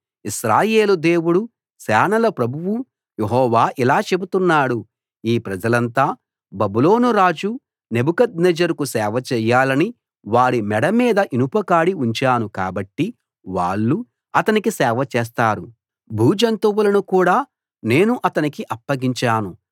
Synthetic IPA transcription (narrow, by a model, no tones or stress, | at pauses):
iʃɾaːje̞ːlud̪e̞ːwuɽu | sɛːnɐlɐpɾɐbʱuwu | jeɦɔːʋaːʔilaːt͡ʃe̞but̪unːaːɽu | iːpɾɐd͡ʒɐlɐnt̪aː | bɐbulo̞ːnuɾaːd͡ʒu | ne̞bukɐd̪nɛd͡ʒɐɾkusɛːʋɐt͡ʃɛːjːaːlɐni | ʋaːɽimɛɽɐmiːd̪ɐʔinupɐkaːɽiuɲt͡ʃaːnukaːbɐʈːi | ʋa̰ːɭːu | ɐt̪ɐnikisɛːʋɐt͡ʃɛːs̬t̪aːɾu | bʱuːd͡ʒɐnt̪uwulɐnukuːɽaː | ne̞ːnuʔɐt̪ɐnikiʔɐpːɐɡiɲt͡ʃaːnu